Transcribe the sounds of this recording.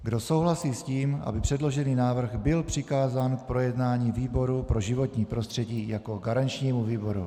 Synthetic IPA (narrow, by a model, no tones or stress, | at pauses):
ɡdo̞so̞wɦlasiːsciːma̰bɪpr̥ɛdlo̞ʒɛniːnaːvr̩ɣbɪlpr̝̥ɪkaːzaːnk̚pɾo̞jɛdnaːɲiːviːbo̞ɾupɾo̞ʒɪvo̞t̪ɲiːpɾo̞st̪r̝̥ɛɟiːjako̞ɡaɾant͡ʃɲiːmuviːbo̞ɾṵ